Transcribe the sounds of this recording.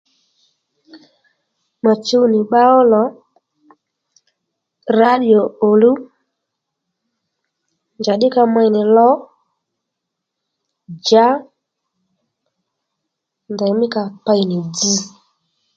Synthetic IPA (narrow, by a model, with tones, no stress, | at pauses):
ma˨t͡ʃu˦nɪ˨ɓa˦ɔ˦lɔ˨˦ | ɾa˦ɗi˨ɔ˨o˨lu˦ | nd͡ʒa˨ɗɪ˦ka˧ma˧jnɪ˨lɔ˦ | d͡ʒa˦ | nda˨˦mɪ˦ka˧pa˧jnɪ˨d͡zi˦